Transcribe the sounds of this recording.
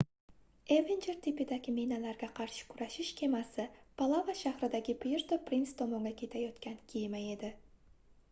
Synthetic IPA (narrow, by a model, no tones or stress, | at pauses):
evend͡ʒeɾt̪ʰipɪd̪aɡʲɪmenalaɾɡʲaqʰɑɾʃɪ̥kʲʰʊɾaʃɪʃkʲʰe̞masɪpʰalˠavaʃahɾɪd̪aɡʲɪpʰjɪɾt̪opɾinst̪ʰomoŋɡʲakʲʰe̞t̪ʰajɒt̪kʲankʲʰejmaje̞d̪ɪ